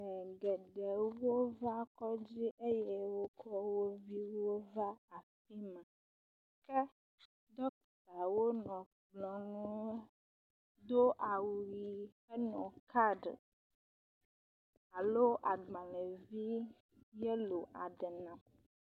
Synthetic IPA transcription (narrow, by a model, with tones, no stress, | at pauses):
ɡɛ˨ɖɛ˨wo˦va˦kɔ˦d͡ʑi˦ʔe˦jɛ˦wo˦kʰɔ˦wo˦vi˦wo˦va˦a˨fi˦mɛ̃˨ | kɛ˦ | d̪ɔ˦kɔ˨t̪a˨wo˦nɔ̃˨ | k͡pɡ͡blɔ̃˨nũ˦ | d̪o˦ʔa˨wu˨ɾi˨ | ɛ˦nɔ̃˨ka˦ɖə̰˨ | a˨lo˦ʔa˨ɡ͡bã˨lɛ˨vi˦ | jɛ˦lo˨ʔa˨ɖɛ˨nã˨